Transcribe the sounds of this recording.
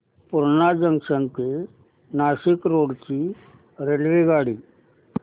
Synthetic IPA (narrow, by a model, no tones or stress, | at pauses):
pʊɾnad͡ʒəŋɡʂənt̪e | naːʃɪkɾoːɽt͡ʃi | ɾelʋeɡaːɽi